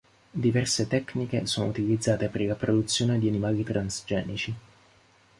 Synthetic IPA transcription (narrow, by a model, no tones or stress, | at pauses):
d̪ivɛrset̪ɛknikesoːno̰ut̪ilid̪zːaːt̪epeɾlapɾod̪ut̪sːjoːned̪ianimaːlit̪ɾʔansd͡ʒɛːnit͡ʃi